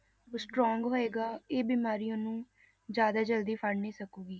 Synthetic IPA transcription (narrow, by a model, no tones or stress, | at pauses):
osʈɾɔːŋɡɦoːeːɡaːeːbiːmaːɾijõːnũː | d͡ʒjaːd̪aːd͡ʒəld̪iːpʰəɽneːsəkuːɡiː